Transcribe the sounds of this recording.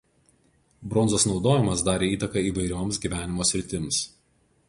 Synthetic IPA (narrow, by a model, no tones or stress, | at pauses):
bɾɔnzosnɒʊd̪oːjɪmɐsd̪ɑːɾʲeːiːt̪ɐkɐiːʋɐɪɾʲoːmsɡʲiːˑʋʲæːnʲɪmoːsʲɾʲɪt̪ʲɪms